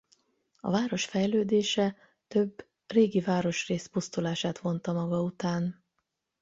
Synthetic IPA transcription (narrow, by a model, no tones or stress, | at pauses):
ɒ̰vaːɾo̞ʃfɛjløːd̪eːʃɛ | t̪ø̞bː | reːɡivaːɾo̞ʃreːspust̪ulaːʃaːt̪ʋo̞nt̪ɒmɒɡɒut̪aːn